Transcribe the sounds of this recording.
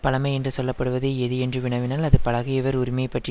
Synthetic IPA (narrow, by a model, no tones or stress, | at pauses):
pɐlɐmɐɪɛndrɯsɔlːɐpːɐɽɯʋɐðɯɛðɯɛndrɯʋɪɳɐʋɪnaːlɐðɯpɐɭɐɣɯjɛʋɐɾʊɾɪmɐjɐpːɐʈri